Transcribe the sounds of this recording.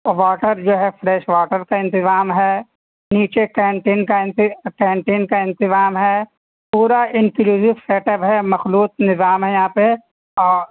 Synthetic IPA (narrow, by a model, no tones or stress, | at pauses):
ʋaːʈəɾd͡ʒoːɦɛfʰɾɛːʃʋaːʈəɾkaɪ̃nt̪ɪzaːmɦɛː | niːt͡ʃekɛ̃ːɳʈeːnkaɪ̃nt̪ɪkɛːɳʈeːnkaɪ̃nt̪ɪzaːmɦɛː | puːɾaɪnkɪluːzɪfseːʈəbɦɛmɐxluːt̪̚nɪzaːmɦɛjɐɦãːpe | ɔːɾ